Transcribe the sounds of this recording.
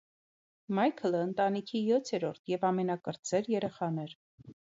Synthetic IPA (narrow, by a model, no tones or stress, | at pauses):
mɑjkʰələənt̪ɑnikʰijɔt̪ʰɛɾɔɾt̪ʰjɛvɑmɛnɑkəɾt͡sɛɾjɛɾɛχɑnɛɾ